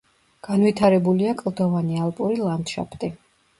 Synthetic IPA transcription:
ɡ̥anvit̪ʰaɾɛbuliakʼlˠd̪ɔvanialˠpʼuɾilˠand̪ʃa̰pʰt̪ʼi

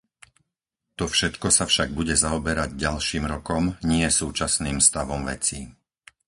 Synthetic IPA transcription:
t̪ɔfʃɛt̪kɔsafʃaɡ̚buɟɛzaɔbɛɾaɟɟalʃiːmɾɔkɔmɲɪɛsuːt͡ʃasniːmst̪aʋɔmʋɛ̰t͡si

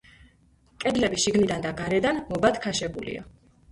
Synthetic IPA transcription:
kʼɛd̪lɛbiʃiɡnid̪and̪aɡaɾɛd̪anmɔbad̪kʰaʃɛbulḭa̰

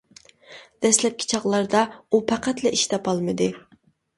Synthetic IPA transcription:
d̪̥ɛslɛp̚kʲʰi̥t͡ʃʰɑʁlˠɑɾd̪ɑupʰæqæt̪lɛiʃt̪ʰɑpɑlˠmɨd̪ɨ

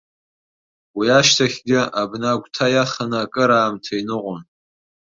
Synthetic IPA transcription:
wiaʃtʰaχʲɡʲɪabnaɡʷtʰajaχanɨakʼɨɾaːmtʰainɨqʷʊn

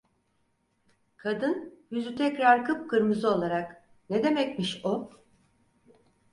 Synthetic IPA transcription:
kʰad̪ɯnjyzyt̪ʰɛcɾaɾkɯp̚kɯɾmɯzɯo̞lˠaɾak | ned̪e̞mɛcmiʃo

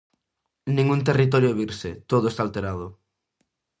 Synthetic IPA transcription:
nĩŋunt̪̬erit̪̬ɔɾjoeβiɾset̪oðʊest̪alt̪eɾað̞ʊ

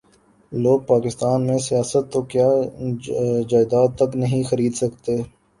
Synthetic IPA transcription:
loːɡ̚paːkɪst̪aːnmẽsijaːsət̪ːokjaː | d͡ʒaːɪd̪aːd̪̚ɐknɐɦĩxɐɾiːd̪sɐkt̪eː

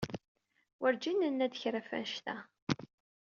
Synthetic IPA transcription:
wəɾd͡ʒinːənːæd̪əçɾæfæ̰nʃt̪æ̰

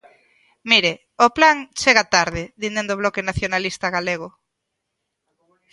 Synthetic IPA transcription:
miɾe | oplaŋt͡ʃeɣat̪aɾðɪðind̪end̪oβlɔkenaθjonalist̪aɣaleɣ̞o

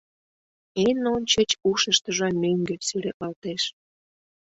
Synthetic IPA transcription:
enonʲt͡ɕə̆t͡ɕuʃəʃt̪ə̆ʒɑmʲøŋɡesyleʔɑlt̪eʃ

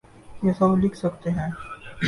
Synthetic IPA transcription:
jesɐblɪkʰsɐkt̪eɦɛ̃ː

